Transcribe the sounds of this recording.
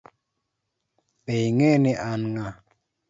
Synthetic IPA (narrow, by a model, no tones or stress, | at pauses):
ɓejŋeneʔanŋa